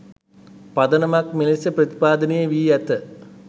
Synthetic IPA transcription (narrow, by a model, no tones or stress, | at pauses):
pɐd̪ɐnɐmakmilisjɐprɐt̪i̥paːd̪ɐnejeʋiːɛt̪ə